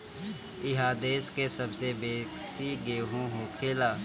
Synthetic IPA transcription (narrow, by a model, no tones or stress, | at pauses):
ɪɦaːd̪eːskesɐbsebeːsiɡeːɦõɦõːkʰeːlaː